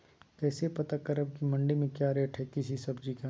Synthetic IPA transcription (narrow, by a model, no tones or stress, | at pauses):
kɛːsepɐt̪akɐɾɐb̚kimɐ̃ɳɖemẽkjaːɾeʈʰɛkɪsisɐbd͡ʒika